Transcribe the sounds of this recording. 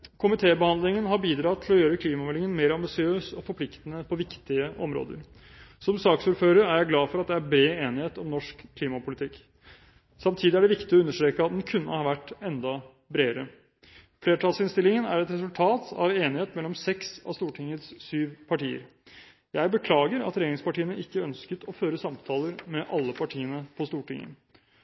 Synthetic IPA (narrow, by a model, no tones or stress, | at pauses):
kʰʊmɪt̪ʰeːbəhɑnd̪lɪŋənɦɑɾbiːd̪ɾɑt̪ʰɪlɔjøːɾəkʰliːmɑmɛlɪŋənmeːɾɑmbɪsɪøːsɔfɔɾpʰlɪkt̪ənəpʰɔʋɪkt̪ɪəʔɔmɾo̰ːd̪ə̰ɾ | sɔmsɑːksuːɾføːɾəɾæɾjæɪɡlɑːfɔɾɑt̪d̪ɛæɾbɾeːeːnɪheːt̪ɔmnɔʂkʰːliːmɑpʊlɪt̪ʰɪkː | sɑmt̪ʰiːd̪ɪæɖɛʋɪkt̪ɪɔʉnːəʂʈɾeːkəɑt̪d̪ɛnkʰʉnːə̰hɑːʋæʈːɛnd̪ɑ | bɾeːəɾə | fleːʈʰɑlsɪnst̪ɪlːɪŋənæ̰ɾɛt̪ɾɛsʉlt̪ʰɑːt̪ɑ̰ʋeːnɪheːt̪mɛlːɔmsɛksɑ̰st̪uːʈʰɪŋːət̪ssyːʋpʰɑʈiːə̰ɾ | jæɪbəkʰlɑːɡəɾɑ̰t̪ɾɛjeːɾɪŋspɑʈʰiːənəɪkːəœnskət̪ʰɔføːɾəsɑmt̪ʰɑːləɾmɛʔɑlːəpʰɑʈʰiːənəpʰɔst̪uːʈɪŋːə̰